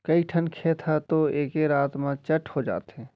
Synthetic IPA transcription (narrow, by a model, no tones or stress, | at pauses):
kɐiʈʰənkʰeːt̪ʰat̪oeːkeɾaːt̪mãt͡ʃəʈʰhod͡ʒa̰ːt̪ɦẽː